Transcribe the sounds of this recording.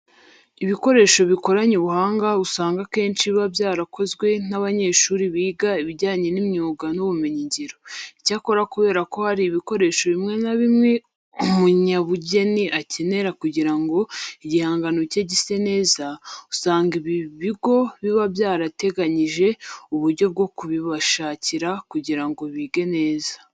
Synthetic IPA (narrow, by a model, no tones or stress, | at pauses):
iβiko̞ɾe̞ːʃo̞βiko̞ɾaɲuβuhaːŋɡausaːŋɡake̞ːnt͡ʃiβabjaːɾakʰo̞zɡwe̞n̥aβaɲe̞ːʃuːɾiβiːɡaiβiɟaːɲe̞nimɲuːɡanuβumeɲiɲɟiɾoicaːko̞ɾakuβe̞ːɾako̞haɾiβiko̞ɾe̞ːʃo̞βimŋe̞naβimŋe̞ | umuɲaβuɟe̞niʔace̞ne̞ɾakuɟiɾaŋɡo̞iɟihaːŋɡanoceɟise̞ne̞ːzausaːŋɡiβiβiɡo̞βiβabjaːɾate̞ɡaɲiʒe̞uβuɾɟo̞b̚ɡo̞kuβiβaʃaːciɾakuɟiɾaŋɡo̞βiːɡe̞ne̞ːza